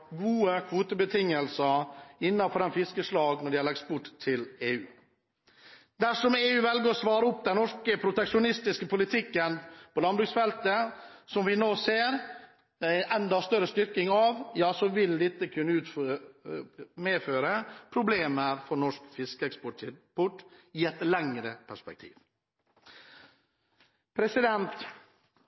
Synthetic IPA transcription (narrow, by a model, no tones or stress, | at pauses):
ɡuːəkʰʋuːt̪əbət̪ʰɪŋːəlsəɾɪnːɑfɔɾɑmfɪskəslɑːɡnɔɖɛɑɭɑkt̪bʊʈt̪ʰːɪleːʉ̰ː | d̪æʂɔmeːʉːʋɛlɡəɾɔsʋɑːɾəɔpːd̪ɛnnɔʂkəpʰɾʊt̪ɛkʂʊnɪst̪ɪskəpʰʊlɪt̪ʰɪkːənpʰɔlɑnbɾʉksfɛlt̪əsɔmʋɪnoːseːɾ | ɛnd̪ɑst̪œɾəst̪ʏɾkɪŋɑʋjɑːsɔʋɪld̪ɪt̪ːəkʰʉnːəʉːt̪f | meːføːɾəpʰɾʊbleːməɾfɔɳɔʂkfɪskəɛkspɔʈpɔʈːɪːɛt̪lɛŋɾəpʰæʂpɛk̚t̪ʰḭːʋ | pʰɾɛsɪd̪ɛnt̪